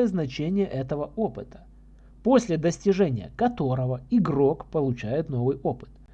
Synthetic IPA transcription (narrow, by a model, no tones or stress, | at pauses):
jəznɐt͡ɕenʲɪjəʔɛt̪əvəʔo̞pɨt̪ə̥ | po̞sʲlʲɪd̪əsʲtʲɪʐɛnʲɪjə̰kɐt̪o̞ɾəvəɪɡro̞kpəlˠʊt͡ɕæjɪt̪no̞vɨjo̞pɨ̥t̪